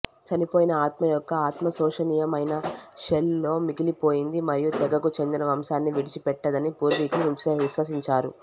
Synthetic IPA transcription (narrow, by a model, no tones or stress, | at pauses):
t͡ʃɐnipoːjinɐaːt̪mɐjɔkːɐaːt̪mɐsɔːʂɐniːjɐmɐjnɐʃello̞ːmiɡilipo̞ːjind̪imɐɾijut̪ɛɡɐkut͡ʃe̞nd̪inɐʋɐmsaːnːiʋiɽit͡ʃipɛʈːɐd̪ɐnipuːɾʋiːkɐluʋimsɐʋiʃʋɐs̬iɲt͡ʃaːɾṵ